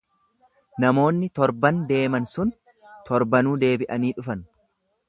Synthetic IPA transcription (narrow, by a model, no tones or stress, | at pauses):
nɐmo̞ːnːɪt̪ɔɾbɐnd̪e̞ːmɐnsʊn | t̪ɔɾbɐnuːd̪e̞ːbɪʔɐniːᶑʊfɐn